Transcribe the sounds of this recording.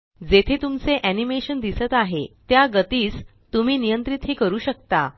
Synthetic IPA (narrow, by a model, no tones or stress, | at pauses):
d͡zet̪ʰet̪umt͡seʔænimeɕənd̪isət̪aɦet̪jaɡət̪iːs | t̪um̤iːnijənt̪ɾit̪ɦiːkəɾuːɕək̚t̪a